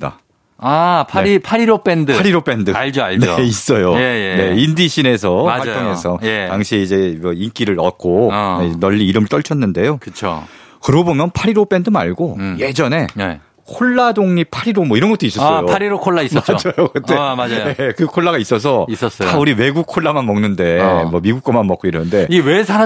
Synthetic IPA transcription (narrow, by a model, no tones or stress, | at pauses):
da̰ | apʰaeipʰaɾiɾop͈endɯaɾiɾop͈e̞ndɯaɭd͡ʑoaɭneis͈ʌjoejene̞indiɕʰine̞s̬ʰʌaatʰoŋe̞sʰʌjetaŋɕʰiid͡ʑe̞mʌink͈iɾɯɾʌk͈oenʌʎːiːɾɯmɯɭt͈ʌɭt͡ɕʰʌnːɯnde̞jokɯt͡ɕʰo̰ | kɯɾobomjʌnpʰaɾiɾop͈e̞ndɯma̰ɭɡoje̞d͡ʑʌne̞e | kʰoɭːadoŋɲipʰaɾiɾomwʌiɾʌnɡʌt͈ois͈ʌs͈ʌjoaɾiɾokʰoɭːaismad͡ʑajok͈ɯt͈emad͡ʑjekɯkʰoɭːaɣais͈ʌs̬ʰʌis͈ʌs͈ʌjʰauɾiwe̞ɡuk̚kʰoɭːamanmʌŋnɯnde̞mʌmiɡuk͈ʌmanmʌk͈oiɾʌnɯnde̞iwesʰaɾa